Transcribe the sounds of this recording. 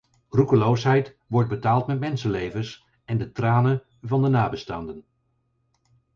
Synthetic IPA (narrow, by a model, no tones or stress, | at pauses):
rukəlowsɦɛjt | ʋɔɹd̚bətaːlˠtmɛtmɛnsənlejvəs | ɛndətraːnə | vɑndənaːbəstaːndən